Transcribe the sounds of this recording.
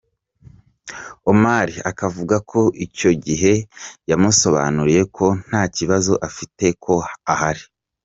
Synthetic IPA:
omaːɾiakavuɡakʰo̞ʔico̞ɟiɦe̞jamuso̞βa̰nuɾije̞kʰo̞n̥haːciβazo̞ʔafite̞kʰo̞ahaɾi̥

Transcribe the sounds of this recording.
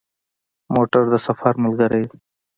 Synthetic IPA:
moʈaɾd̪əsafaɾməlɡəɾej

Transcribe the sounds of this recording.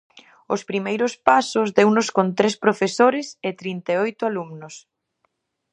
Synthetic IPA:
ʊspɾimejɾʊspasʊzðewnʊskont̪ɾespɾofesoɾɪsɪt̪ɾint̪eojt̪ʊalumnʊs

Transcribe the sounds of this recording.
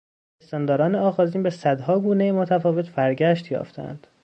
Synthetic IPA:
est̪ɒːnd̪ɒːɾɒːneɒːɣɒːziːnbesæd̪hɒːɡuːnejemot̪ʰæfɒːve̞t̪bæɾɟæʃt̪jɒ̰ːft̪ʰæ̰nd̪̥

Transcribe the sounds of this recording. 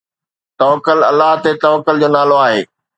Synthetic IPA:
t̪ɔːʋəkəlɐ̰lːaɦt̪et̪ɐːʋəkːəld͡ʑoːnaːloaːɦḛː

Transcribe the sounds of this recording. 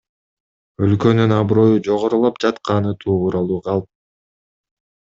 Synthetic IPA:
ø̞lkø̞nynɑbɾo̞jud͡ʒo̞ʁoɾulˠop̚d͡ʒɑt̪qɑnɯt̪ʰuːuɾɑlˠuːqʰɑlˠp̚

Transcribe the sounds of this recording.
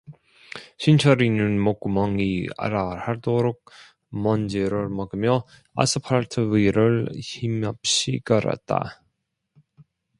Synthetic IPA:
ɕʰint͡ɕʰʌɾinɯnmok͈̚umʌŋia̰ɾahaɭdoɾok̚ | mʌnd͡ʑeɾɯɭmʌɡɯmjʌ | a̰sʰɯpʰaɭtʰɯiɾɯɭçimjʌp̚ɕ͈ikʌɾa̰t̚t͈a̰

